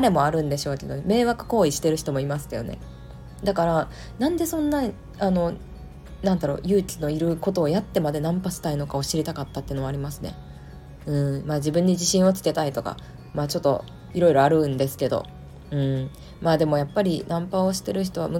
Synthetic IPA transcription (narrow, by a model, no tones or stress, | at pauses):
aɾe̞mo̞aɾɯ̟̃nd̪e̞ɕo̞ːke̞d̪o̞neme̞ːβakɯ̟̥ko̞ːiɕi̥t̪e̞ɾɯ̟çi̥t̪o̞mo̞imasɨ̥ke̞d̪o̞ne̞̰ | d̪akaɾa | nãnd̪e̞sõ̞nːa | ano̞ | nãnd̪aɾo̞̰ːjɯ̟ːkʲino̞iɾɯ̟ko̞t̪o̞ːjat̪ːe̞mad̪e̞nãmpaɕi̥t̪aino̞kao̞ɕiɾʲit̪akat̪ːat̪ːeɯ̟no̞aːɾʲimasɨne̞̰ | ɯ̟̃ɴmaːd͡ʑibɯ̃ɲ̟ːid͡ʑiɕĩɰ̃o̞t͡ɕi̥t̪e̞t̪ait̪o̞ka̰ | maːt͡ɕo̞t̪ːo̞̰ | iɾo̞iɾo̞aɾɯ̟̃nd̪e̞sɨ̥ke̞d̪o̞̰ | ɯ̟̃ɴ | maːd̪e̞mo̞japːaɾʲinãmpao̞ɕi̥t̪e̞ɾɯ̟ç̬i̥t̪o̞βa̰mɯ̟